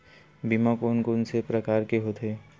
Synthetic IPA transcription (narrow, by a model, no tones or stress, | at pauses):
bimãkoːnkoːnsepɾəkaːɾkeɦoːt̪ʰeː